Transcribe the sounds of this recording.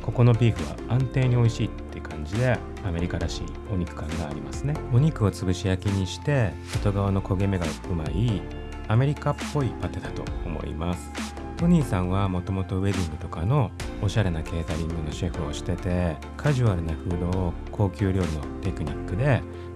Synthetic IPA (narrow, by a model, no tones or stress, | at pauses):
ko̞ko̞no̞pʲiːɸɯ̟βa̰ãnt̪e̞ːɲ̟io̞iɕiːt̪ːe̞ɯ̟kʰãɲ̟d͡ʑid̪e̞ | ame̞ɾʲikaɾaɕḭː | o̞ɲ̟ikɯ̟̥kãŋɡaːɾʲimasɨne̞o̞ɲ̟ikɯ̟o̞t͡sɨɡɯ̟ɕijakʲiɲ̟iɕi̥t̪e̞sot̪o̞ɡaβano̞kʰo̞ɡe̞me̞ɡaɯ̟mai | ame̞ɾʲikapːo̞ipat̪e̞d̪at̪o̞̰omo̞̰ḭmasɨ̥ | t̪o̞ɲ̟iːsãɰ̃β̞amo̞t̪o̞mo̞t̪o̞βe̞d̪ʲiŋɡɯ̟t̪o̞kano̞ːɕaɾe̞nake̞ːt̪aɾʲimɯ̟no̞ɕeɸɯ̟oɕi̥t̪e̞t̪e̞ | kʰaʑɨβaɾɯ̟naɸɯ̟ːd̪o̞ːkʰo̞ːkʲɨːɾʲo̞ːɾʲɯno̞̰t̪e̞kɯ̟ɲ̟ikːɯ̟d̪e̞